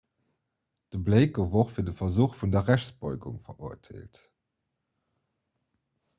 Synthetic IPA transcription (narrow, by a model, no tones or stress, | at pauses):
d̥əbleɪkovoχfiːɐdəfɐzuːχfundɐʁæɕt͡sb̥ɔɪɡṵŋfɐ̰ʔuɐdʰḛːlt